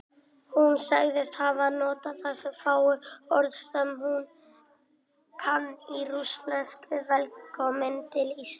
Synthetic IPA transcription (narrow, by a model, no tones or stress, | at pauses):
hunsaɣðɪst̪havanɔːt̪aθasɛmfaːwʏɔɾðθsɛmhun | kʰanːiruslɛnskɪvɛlkɔmɛnt̪ɪlis